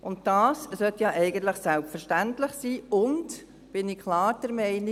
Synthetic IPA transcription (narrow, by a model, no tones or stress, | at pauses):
ʔʊnt̚dɑːssœtjɑʔɛɪɡənt̪ləχsælpfəɾʃtæntləχsiːʊnt | b̥ɪnikʰlɑːɾd̥əɾmɛɪni